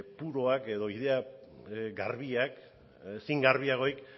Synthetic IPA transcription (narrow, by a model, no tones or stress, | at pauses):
puɾo̞ake̞ðo̞iðe̞a | ɡaɾβiak | siŋɡaɾβiaɣ̞o̞jk